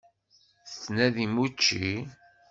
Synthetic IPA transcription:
θt͡sːnæðimut͡ʃːi

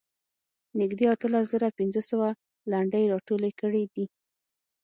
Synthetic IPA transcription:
nɪɡd̪eat̪əlas̬zəɾapɪnzəsəwa | laɳɖəjɾɑʈolekəɽid̪i

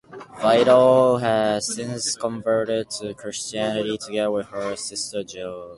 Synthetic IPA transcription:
vaɪɾl̩ɦɨz̥sɪ̃nskʰə̃ɱvɜ˞ɾɪd̚tʰɨkʰɹ̥ɪst͡ʃiænɨɾitʰɨɡɛðəwɪð̥ə˞sɪstə˞d͡ʒɪlˠ

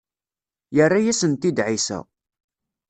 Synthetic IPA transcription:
jərːajæsənt̪id̪ʕisæ̰

